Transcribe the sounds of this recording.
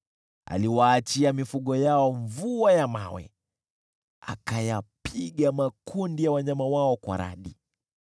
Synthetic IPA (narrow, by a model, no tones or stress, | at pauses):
a̰liwaːt͡ʃiamifuɠɔjaɔɱvuajama̰wɛ̰ | a̰kajapʰiɠamakundijawaɲamawaɔkwa̰ɾa̰ɗi